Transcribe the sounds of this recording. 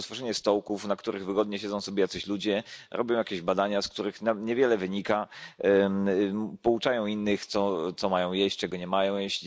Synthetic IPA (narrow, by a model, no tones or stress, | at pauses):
t̪fɔʐɛɲɛst̪ɔwkufnakt̪uɾʔɘɣvɘɡɔd̪ɲɛɕɛd̪zɔ̃w̃sɔbʲjɛjat̪sɛɕlud͡ʑɛɾʔɔ̰bʲjɔ̃jakʲeʑbad̪aɲaskt̪uɾɘxnaɲɛvʲjɛlɛvɘɲika | pɔut͡ʂajɔ̃w̃inːɘxt̪sɔt̪sɔmajɔ̃w̃jɛɕt͡ʂɛɡɔɲɛmajɔ̃w̃jɛɕʲi